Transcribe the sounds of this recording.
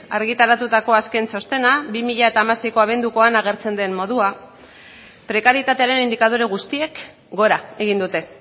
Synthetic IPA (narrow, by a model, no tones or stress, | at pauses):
a̰ɾɣit̪aɾat̪ut̪ako̞aske̞nso̞st̪e̞nabimiʎae̞t̪aːmase̞jko̞aβ̞e̞nd̪uko̞anaɣ̞e̞ɾt͡se̞nd̪e̞mmːo̞ðua | pɾe̞kaɾjit̪at̪e̞aɾe̞nind̪ikað̞oɾeɣ̞ust̪ie̞k | ɡo̞ɾaeɣind̪ut̪e̞